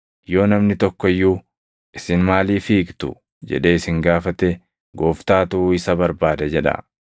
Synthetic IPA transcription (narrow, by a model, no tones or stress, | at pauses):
jo̞ːnɐmnɪt̪ɔkːɔɪjːuː | ʔɪsɪnmaːliːfiːkt̪ʊ̰ | d͡ʒɛ̰ᶑeːɪsɪŋɡaːfɐt̪ɛ | ɡo̞ːft̪aːt̪ʊːɪsɐbɐɾbaːd̪ɐd͡ʒɛᶑɐ̰